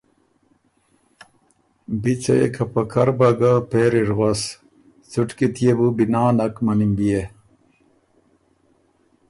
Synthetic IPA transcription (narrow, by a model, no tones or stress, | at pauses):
bit͡sɐjḛkʰɐpɐkʰɐɾbɐɡapeːɾiɾʁas | t͡suʈkit̪ʰijebubinaːnɐkmɐnimbije